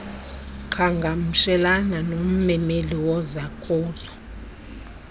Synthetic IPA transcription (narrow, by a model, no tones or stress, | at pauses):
ǃʰaŋɡʱam̩ʃɛlananom̩mɛmeliwɔzakʼɔːzɔ